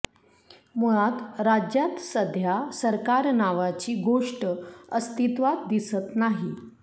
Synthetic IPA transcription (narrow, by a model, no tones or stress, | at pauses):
muɭat̪ɾad͡ʑjat̪səd̪ʱjasəɾkaɾnaʋat͡ɕiːɡoʂʈəəst̪it̪ʋat̪̚d̪isət̪naɦi